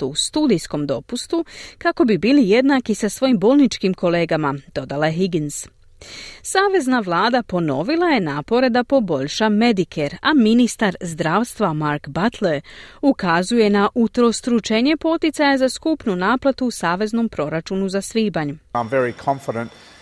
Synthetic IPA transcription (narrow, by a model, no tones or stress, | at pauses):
ust̪uːd̪ijsko̞md̪o̞pust̪ukako̞bibiːlije̞d̪nakisasʋo̞jimbo̞ːlˠnit͡ʃkimko̞le̞ːɡamad̪̥o̞d̪alajeɦiɡins | saːʋe̞znaʋlˠaːd̪apo̞no̞ʋilˠaje̞naːpo̞ɾe̞d̪apo̞bo̞ʎʃame̞d̪ikʰeɾaminist̪aɾzd̪ɾaːʋst̪ʋamaɾkbat̪leɾukazuje̞naʔut̪ɾo̞st̪ɾut͡ʃeɲe̞po̞t̪it̪sajazaskupnunaːplat̪uːsaːʋe̞zno̞mpɾo̞ɾat͡ʃunuzasʋiːbaɲuãɪ̃ɱvɛɹikʰɑ̃ɱfɪɾə̃nt